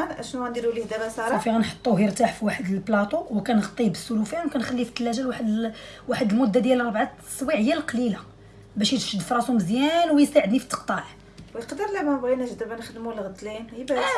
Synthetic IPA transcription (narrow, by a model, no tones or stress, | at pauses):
nʔæʃnuænd̪iɾulihd̪æbæsɑɾˤfiɣænħo̥t̪ˤːuɦiɾt̪aħfiwaħəd̪əlblɑt̪ˤuwkænɣɑt̪ˤːibəsːulufjænwkænxælːift̪ːəlːæʒælwaħəd̪waħəd̪əlmʊd̪ːad̪jælɑɾˤbʕat̪ː | sˤwiʕəjːælqɑlila | bæʃjət̪ʃəd̪ːfɾˤɑsuməzjænwjəst̪aʕəd̪nifi̥t̪ːə̥qt̪ˤɑʕ | wjəqd̪əɾlæmænbnæʒd̪əbænəxd̪mulɣət̪linhbæ